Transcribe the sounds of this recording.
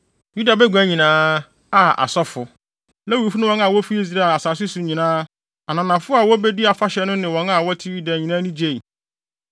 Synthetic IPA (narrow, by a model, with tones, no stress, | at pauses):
ju˦da˨bɛ˦ɡʷæ̃˦ɲĩ˨nãː˦ | a˦ʔa̰˨sɔ˦fʊ˨ | lɛ˦wi˨˦fu˦nʊ̃˦wɔ̃˦n˦a˨wɔ˦fi˦i˦zi˨ɾa˦a˨a˨saː˨s̬ʊ˦sʊ˨ɲĩ˨nãː˦ | a˨nã˨nã˨fʊ˦a˨wɔ˦be˦di˦a˨fa˦ɕɛ˨˦nʊ̃˦nɪ̃˨wɔ̃˨˦na˨wɔ˦tʰɪ˦wi˦da˨ɲĩ˨nã˦nĩ˦d͡ʑe˦˨i˨